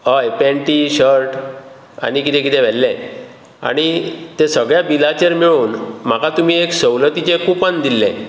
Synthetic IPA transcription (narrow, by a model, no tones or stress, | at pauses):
ɦəjpɛ̃ɳʈiɕəɾʈ | a̰ñikit̪ɛ̃kit̪ɛ̃ʋɛlːɛ̃ | a̰ɽ̃it̪esəɡɭjabilat͡ɕeɾmiɭuːnm̤akat̪um̤ieksəwlət̪it͡ɕekupãnd̪ilːɛ̰̃